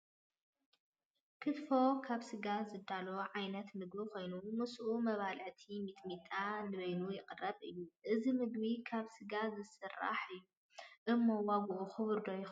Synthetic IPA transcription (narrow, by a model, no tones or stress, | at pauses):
kʰɨt̪fo̞kʰaβsɨɡazɨd̪aloʕajnɐt̪mɨɡbikʰo̞jnumɨsʔumɐβalʕɨt̪ʰimit̪ʼmit̪ʼanɨβɐjnujɪqʼɨrːɐβʔɨ̰jːuʔɨzimɨɡbikʰaβsɨɡazɨsɨrːa̰ħɨjːu | ʔɨmːowaɡuʔuxɨβɨɾd̪ojx